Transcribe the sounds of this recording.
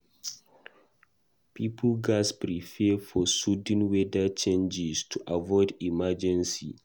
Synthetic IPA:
pipʰl̩ɡaspɹifɛfɔsud̃nwedat͡ʃẽnd͡ʒistʰuʔavɔɪdimad͡ʒɛ̃nsḭ

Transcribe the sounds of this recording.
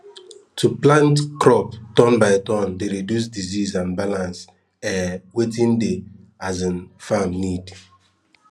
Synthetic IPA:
tʰuplãntkɾɔptɔ̃nbaɪtɔ̃ndeɾidjus̬dizizãnbalãns | ɛwetĩndeazĩnfamnid

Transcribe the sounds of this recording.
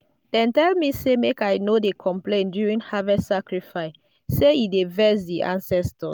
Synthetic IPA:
d̥ɛ̃ntɛlmisemekajnodekʰɔ̃mplẽndjuɹĩŋhavɛsakɹifaɪs | seidevɛsdiʔã̰nsɛstɔ

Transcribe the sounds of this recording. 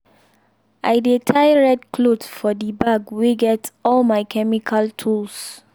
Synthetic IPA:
ʔaɪdetʰaɪɹɛdkʰlodfɔdibaɡwiɡɛtɔlmaɪkʰɛmikʰaltʰuls

